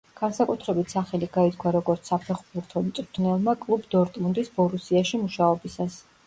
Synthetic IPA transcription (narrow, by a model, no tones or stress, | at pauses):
ɡ̥ansakʼut̪ʰɾɛbit̪ʰsaχɛliɡait̪ʰkʰwaɾɔɡɔɾt̪sʰapʰɛχbuɾt̪ʰɔmt̪sʼɾt̪ʰnɛlˠmakʼlˠubd̪ɔɾt̪ʼmund̪isbɔɾusiaʃimuʃaɔbisas